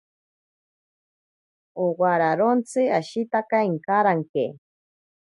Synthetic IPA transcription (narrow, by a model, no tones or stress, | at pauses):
owaɾaɾont͡sɨaʃit̪akaiŋkaɾaŋkḛ